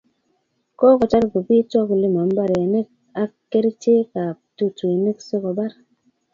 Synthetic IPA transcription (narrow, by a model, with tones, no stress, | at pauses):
kɔ˦kɔ˨t͡ʃa˦ɾɡu˨pi˦t͡ʃɔ˦kle˦ma˨m̩˦ba˦ɾe˨ne˦k̚ | a˨˦ke˦ɾt͡ʃe˦ka˨tu˦t͡ʃu˨e˨ne˦kso˦kɔ˨ba˦ɾ